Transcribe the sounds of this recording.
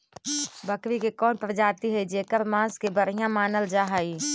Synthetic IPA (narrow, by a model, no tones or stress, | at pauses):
bəkʋikekɔːnpəɾd͡ʒaːt̪iɦəid͡ʒeːkəɾmãːskebəɾijãmaːnəld͡ʒaːɦəi